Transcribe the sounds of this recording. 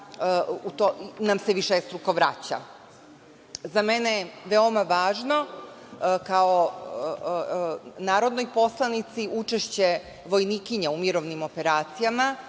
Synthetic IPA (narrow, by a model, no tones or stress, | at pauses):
ut̪oinamseʋiʃest̪ɾukoʋɾat͡ɕa̰ | zameneʋeo̞maʋaːʒno̞ | kao | naːɾo̞d̪nojpo̞slˠanit̪siʔut͡ʃeʃt͡ɕe̞ | ʋo̞jniːkiɲeumiɾoʋnimo̞peɾaːt̪sijama